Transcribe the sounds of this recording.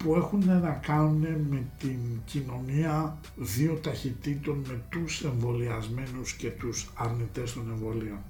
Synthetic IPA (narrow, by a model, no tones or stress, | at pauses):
pue̞xune̞nɐkɐnune̞me̞t̪incino̞niɐ | ðio̞t̪ɐçit̪it̪o̞nme̞t̪use̞ɱvo̞liɐzme̞nusce̞t̪usɐɾnit̪e̞st̪o̞ne̞ɱvo̞lio̞n